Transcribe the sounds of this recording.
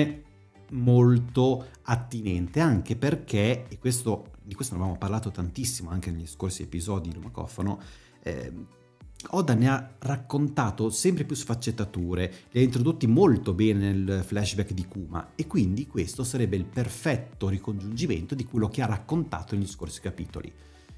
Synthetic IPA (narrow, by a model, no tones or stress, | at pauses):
e | molt̪oat̪ːinɛnt̪eaŋk̟eperkʰekwest̪od̪ikwest̪onavamoparlaːt̪ot̪ant̪isːimoaŋk̟eneʎːiskorsiḛpizɔːd̪id̪ilumakɔ̰fono | ɛ̰ | ɔːd̪anearakːont̪aːt̪osɛmpɾepjusfat͡ʃːet̪ːat̪uːɾeliaint̪ɾod̪ot̪ːimolt̪obɛːnenelflɛʃbɛkd̪ikuːma̰ekːwind̪ikwest̪osaɾɛbːeilperfɛt̪ːoɾikond͡ʒund͡ʒiment̪od̪ikwelːok̟earːakːont̪a̰ːt̪oneʎːiskorsi̥kapḭːt̪o̰lḭ